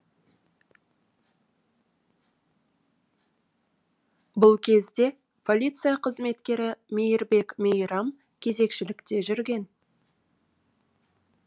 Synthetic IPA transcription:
bʊlˠkʲʰe̞zd̪e̞ | pʰo̞lʲit̪sɨjaqʰəzme̞t̪kʲe̞ɾɪmejɪɾbe̞kmʲejɾɑm | kʲʰe̞ze̞kʃɪlɪkt̪e̞ʒʏɾɡʲe̞n

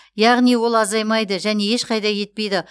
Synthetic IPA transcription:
jɑʁnijwo̞lˠɑzɑjmɑjd̪əʒæne̞e̞ʃqʰɑjd̪ɑje̞t̪̚pe̞jd̪ɪ

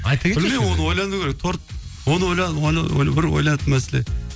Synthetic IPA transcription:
ɑjt̪akʲeɪlmewo̞nəwo̞jlˠɑnd̪ukʰʲeɾek̚t̪ʰo̞ɾt̪̚wo̞nəwo̞jlˠɑd̪ojl̰jbɪɾwo̰jlˠɑt̪ənmæselḛ

